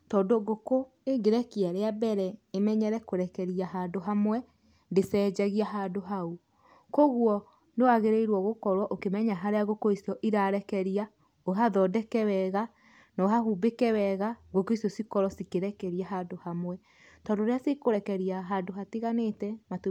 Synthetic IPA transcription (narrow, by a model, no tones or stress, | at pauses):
tɔːndoɡoko | eɡeɾɛkiaɾeabɛɾɛemɛɲɛɾɛkoɾɛkɛɾiaɦandoɦamwɛ | ndesɛːd͡ʒaɣiaɦaːndoɦau | koɣwɔ | newaɣeɾeiɾwɔɣokɔɾwɔʔokemɛɲaɦaɾeaɣokoisjɔʔiɾaɾɛkɛɾia | oɦaðɔdɛkɛwɛɣa | nɔɦahubekɛwɛɣaɡokoisjɔsikɔɾɔsikeɾɛkɛɾiaɦadohamwɛ | tɔndoɾeasekoɾɛkɛɾiaɦandoɦatiɣanetɛmat